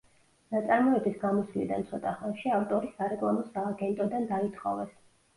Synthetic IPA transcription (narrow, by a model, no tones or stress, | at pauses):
nat̪sʼaɾmɔɛbisɡamɔslḭd̪a̰nt̪sʰɔt̪ʼaχɛmʃiaft̪ʼɔɾisaɾɛkʼlˠamɔsaːɡɛnt̪ʼɔd̪and̪ait̪ʰχɔ̰vɛs